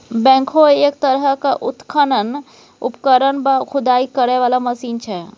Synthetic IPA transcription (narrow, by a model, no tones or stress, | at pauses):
bɛ̃ŋkʰoekt̪əɾɦəkaʔʊt̪kʰənən | ʊ̰pkəɾənbakʰʊd̪aikəɾɛʋalaməsiːnt͡ʃʰɛ